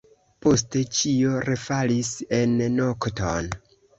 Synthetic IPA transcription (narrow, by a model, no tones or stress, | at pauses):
po̞s̬te̞t͡ʃio̞ɾefalise̞nːokton